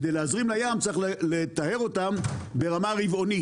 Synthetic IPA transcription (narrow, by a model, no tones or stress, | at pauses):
kd̪ejleazʁimlajamt͡siχlet̪ahe̞ʁo̞t̪ambe̞ʁamaʁivo̞ni